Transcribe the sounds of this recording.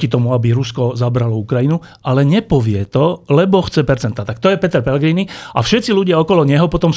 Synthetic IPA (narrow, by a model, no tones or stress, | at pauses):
cit̪ɔmuabiɾuskɔzabɾalɔukɾajinu | alɛɲɛpɔʋɪɛt̪ɔlɛbɔxt͡sɛpɛɾt͡sɛnt̪at̪ak̚t̪ɔjɛpɛt̪ɛɾpɛlɛɡɾiniʔafʃɛt̪t͡siluɟɪaɔkɔlɔɲɛɦɔpɔt̪ɔm